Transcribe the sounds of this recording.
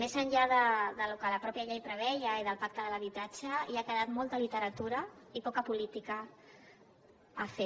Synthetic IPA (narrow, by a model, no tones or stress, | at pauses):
mezəɲʎaðəðəlukələpɾɔpjəʎejpɾəβɛjəiðəlˠpak̚t̪əðələβit̪ad͡ʒəiakəðat̪mɔlˠt̪əlit̪əɾət̪uɾəipɔkəpulit̪ikə | afe